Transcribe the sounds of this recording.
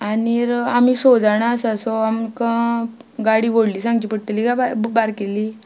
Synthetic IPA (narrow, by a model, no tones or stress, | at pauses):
aniɾamisod͡zaɳasasɔamkã | ɡaɽiːʋoɽliːsãŋɡt͡ɕipəɽt̪əlikababaɾkeli